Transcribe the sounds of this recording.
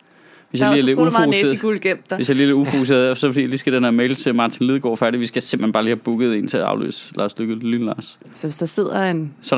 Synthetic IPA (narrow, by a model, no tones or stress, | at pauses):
ʋe̝sjɑ̈liːæɐle̥uousḛɡ̥ulɡ̥em̰d̥ʋesjɑ̈ɪliːle̝ɾufokʰuse̝ːɐðˠæɐfsɒfɒd̥ḭːliːsɡ̥æd̥eneɐmeɪlət͡sʰe̝mɑ̈ːt͡sʰinlið̞ˠɡ̥ɒ̰ːfæɐɾiʋisɡ̥æsemb̥̩henb̥ɑːliːhæb̥uɡ̥ð̩ˠe̝nt͡sʰe̝æɑ̈ʊlø̰ːslɑ̰̈ːsløɡ̥ðlyːnlɑ̰̈ːs | sɒʋesd̥ase̝ð̰ˠɐensɒ